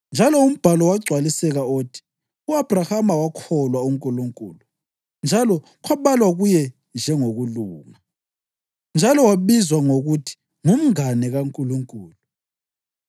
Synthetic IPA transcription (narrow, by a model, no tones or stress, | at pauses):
nd͡ʒʱalɔum̩b̥ʱalɔwaɡ͡ǀʱwalisɛɣaoːtʰi̥ | uab̥ʱrahamawakʰɔlwauŋkʼuluŋkʼṵːlu | nd͡ʒʱalɔ | kʰwaβalwaɣujɛ | nd͡ʒʱɛŋoɣuluːŋa | nd͡ʒʱalɔwaβizwaŋoɣutʰi̥ | ŋum̩ŋanɛɣaŋkʼuluŋkʼuːlu